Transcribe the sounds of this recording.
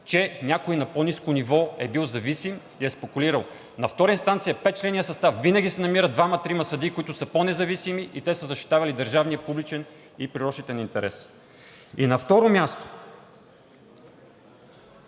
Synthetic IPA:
t͡ʃɛnʲakoinɐponiskonivɔɛbilˠzɐvisim | iɛspɛkuliɾəlˠ | nɐft̪ɔɾəinst̪ant̪sijɐpɛt̪̚t͡ʃlɛnijəsɐst̪afvinəɡ̟ʲisɛnɐmiɾəd̪vamɐt̪ɾimɐsɐd̪ikoit̪ʊsəponɛzɐvisimiʔit̪ɛsəzɐʃt̪i̥t̪avɐlid̪əɾʒavnijəpublit͡ʃɛn | ipɾiɾɔʃit̪ɛnint̪ɛɾɛ̰s | inɐft̪ɔɾomʲjast̪o̥

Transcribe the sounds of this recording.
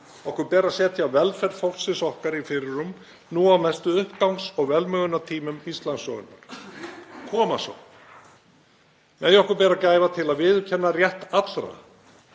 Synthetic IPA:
ɔhkʏɾpɛːɾasɛːt̪ʰɪawvɛlfɛɾt̪fɔwl̥sɪnsɔhkaɾifɪɾɪɾum | nuawmɛst̪ʏʏhpkawnksɔɣvɛlmœːɣʏnat̪ʰiːmʏmist̪lansːɔːwɣʏ̰nːa̰ɾ̥ | kʰɔːmasɔ̰w | mɛːjɔhkʏɾpɛːɾacaːjvat̪ʰɪlaðvɪðʏcʰɛnːarjɛht̪at̪lɾa̰

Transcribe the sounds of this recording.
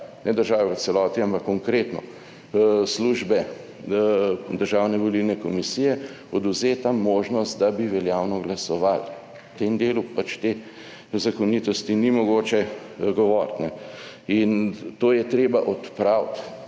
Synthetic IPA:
nɛd̪əɾʒaːʋɛɔsɛlɔːt̪iampakːɔŋkɾeːt̪nɔ̰ | sluʒbɛ | d̪əɾʒaːwnɛʋɔlilnɛkɔmisijɛ | ɔd̪uwzeːt̪amoːʒnɔst̪d̪abiʋɛljaːwnɔɡlasɔʋal | t̪emd̪eːlupat͡ʃt̪e | zakɔnit̪ɔst̪inimɔɡoːt͡ʃɛɡɔʋɔːɾt̪nɛ | int̪oːjɛt̪ɾeːbaʔɔt̪pɾawt̪

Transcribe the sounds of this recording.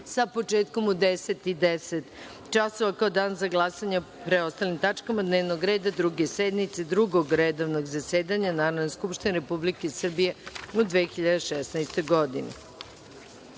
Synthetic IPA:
sapo̞t͡ʂeːt̪ko̞mud̪eset̪id̪eset̪ | t͡ʃaso̞ʋakaod̪aːnzaɡlˠasaɲa | pɾeo̞st̪alimt̪at͡ʂkamad̪neːʋnoɡɾe̞ːd̪ad̪ɾuɡesed̪nit̪sed̪ɾuɡoɡɾed̪oʋnoɡzaseːd̪aɲanaːɾod̪neskupʃt̪ineɾepublikesr̩bije̞ud̪ʋeːxiʎad̪eʃɛsnajst̪o̞jɡo̞d̪ine

